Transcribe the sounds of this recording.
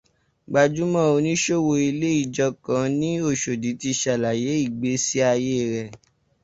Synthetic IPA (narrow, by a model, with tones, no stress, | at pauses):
ɡ͡ba˧d͡ʒu˨˦mã˦˨o˧nĩ˦ʃo˦wo˧i˧le˦i˦˨d͡ʒɔ˧kã˨˦nĩ˦o˦˨ʃo˨di˨˦ti˧ʃa˨la˨je˨˦i˦˨ɡ͡be˨˦si˦a˧je˦˨ɾɛ˨